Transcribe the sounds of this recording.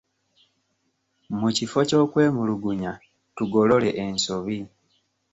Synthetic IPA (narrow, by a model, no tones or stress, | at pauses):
mucifo̞co̞ːkwe̞ːmuluɡuɲa | tuɡo̞lo̞le̞ʔensoβi